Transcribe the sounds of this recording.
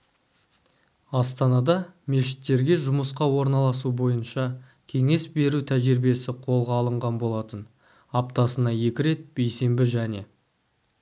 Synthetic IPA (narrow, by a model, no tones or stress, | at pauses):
ɑst̪ɑnɑd̪ɑme̞ʃɪ̥t̪ːe̞ɾɡʲe̞ʒʊməsqɑwo̞ɾnɑlˠɑs̬ubo̞jənʃɑ | kʲʰe̞ŋe̞sbe̞ɾut̪ʰæʒɪɾbe̞sɪqʰo̞lˠʁɑːlˠəɴʁɑnbo̞lˠɑt̪ən | ɑp̚t̪ɑsənɑje̞kʲɪɾe̞t̪̚b̥e̞jse̞mbɪʒæne̞